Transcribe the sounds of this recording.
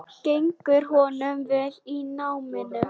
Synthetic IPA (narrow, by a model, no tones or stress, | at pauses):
ɬejŋkʏɾ̥ɦɔnʏmvɛlinaːwmɪnʏ